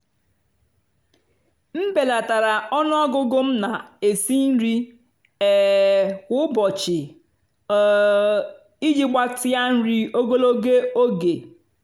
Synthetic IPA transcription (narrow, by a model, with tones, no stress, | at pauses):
m̩˦be˨la˨ta˨ɾa˨ɔ˦nʊ˦ɔ˦ɡʊ˦ɡʊ˦m̩˦na˨e˨si˦n̩˦ɾi˦ | ɛ˨kʷʊ˦bɔ˨t͡ʃɪ˨˦ | i˦d͡ʒi˦ɡ͡ba˦tɪ˦a˦n̩˦ɾi˦o˦ɡo˦lo˦ɡe˦o˦ɡe˨